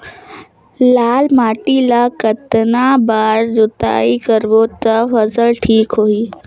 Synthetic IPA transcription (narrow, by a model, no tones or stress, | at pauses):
laːlmaːʈilaːkɐt̪nabaːɾd͡ʑot̪a̰ːikɐɾbot̪ɐfɐzəlʈʰiːkɦoːiː